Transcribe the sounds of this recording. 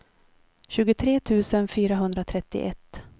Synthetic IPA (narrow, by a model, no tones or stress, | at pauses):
ɕʉ̟ːɡʊt̪ʰɾeːt̪ʰʉ̟ːsənfyːɾaɦɵnd̪ɾat̪ʰɾɛt̪ːɪ̰ʔɛt̪ː